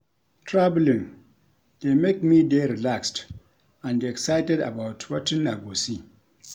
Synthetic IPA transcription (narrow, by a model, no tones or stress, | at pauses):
tʰɹablĩŋ | d̥emek̚mideɾilakst | ãndeɛksajtɛda̰bawtwɔtĩnːaɡosi